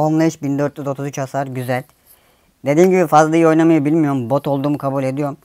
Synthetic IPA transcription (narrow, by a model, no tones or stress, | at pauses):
onlˠajɯʃbind̪ø̞ɾt̪lʲyzo̞t̪ʰuzyt͡ʃasaɾɟyzælʲ | d̪e̞d̪iːmɟibifazlˠajio̞jnamajɯbilʲmijo̞ɾumbo̞t̪ʰo̞lˠd̪uːmukʰabuːlʲe̞d̪ijo̞ɾum